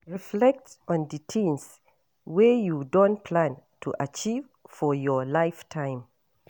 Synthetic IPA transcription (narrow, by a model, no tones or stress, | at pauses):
ɹiflɛk̚tɔ̃nditʰĩns | wɛjudɔ̃npʰlãntʰuʔat͡ʃiv | fɔjɔlaɪftʰãɪ̃m